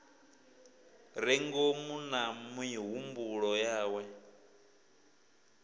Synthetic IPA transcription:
ɾɛŋɡomunamwiɦumbuɺɔjaːwɛ

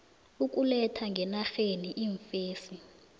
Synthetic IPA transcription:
uk̬ʼulɛtʰaŋɡʱɛnaxeniʔiɱfeːsi

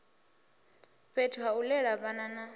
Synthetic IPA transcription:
ɸetʰuɦaulɛɺaβanana

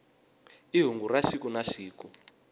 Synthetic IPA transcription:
iɦuŋɡuraʃikunaʃiːku

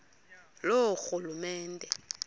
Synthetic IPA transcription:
loxulumɛːndʱɛ

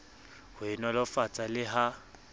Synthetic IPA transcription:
hʊinɔlɔfat͡sʼalɪɦa

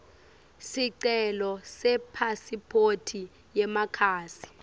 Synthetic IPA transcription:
siǀɛlɔsɛpʰasipʰotʰi | jɛmakʰaːsi̥

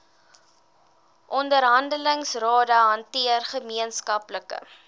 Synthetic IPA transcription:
ʔɔndəɾɦɐndələŋsrɑːdəɦɐntiərχəmiənskɐpləkə̰

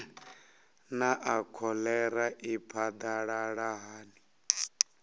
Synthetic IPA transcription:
naʔakʰɔlɛɾaʔipʰad̪aɺaɺaɦaːni

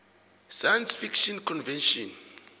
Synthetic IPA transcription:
sajansfikʃɔnkʰɔnvɛnʃɔn

